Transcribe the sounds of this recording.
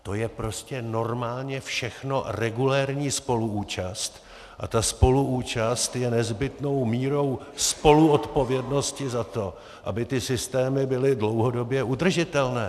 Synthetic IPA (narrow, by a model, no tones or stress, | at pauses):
t̪o̞jɛpɾo̞scɛno̞ɾmaːlɲɛfʃɛxno̞rɛɡulɛɾɲiːspo̞luuːt͡ʃast̪ | ʔa̰t̪aspo̞luuːt͡ʃast̪jɛnɛzbɪt̪no̞wmiːɾo̞w | spo̞luot̪po̞vjɛdno̞scɪzat̪o̞ | ʔa̰bɪt̪ɪsɪst̪ɛːmɪbɪlɪdlo̞wɦo̞do̞bjɛʔud̪r̩ʒɪt̪ɛlnɛː